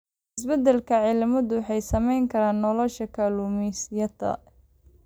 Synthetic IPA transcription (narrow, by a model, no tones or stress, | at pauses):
ɪsbɛd̪ɛlkʰɐʕɪlmɐðʊwħɑjsɐmɛjŋkʰɐɾaːnːɔlɔʃɐkʰaːluːmisjɐd̪ɐ̰